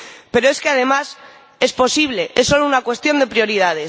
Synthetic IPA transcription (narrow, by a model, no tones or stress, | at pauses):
pe̞ɾoeskeað̞e̞mas | e̞spo̞siβ̞le̞ʔesːo̞lounakwe̞st̪jo̞nd̪e̞pɾjo̞ɾið̞að̞e̞s